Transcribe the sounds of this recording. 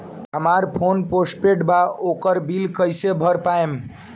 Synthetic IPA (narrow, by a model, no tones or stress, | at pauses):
ɦəmaɾpʰonposʈpeʈbaokəɾbilkəjsebʱəɾpaem